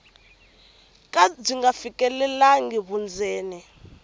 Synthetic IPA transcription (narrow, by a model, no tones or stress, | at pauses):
kʼab͡ʐiŋɡafikʼɛlɛlaŋɡiβund͡zʱɛːnɛ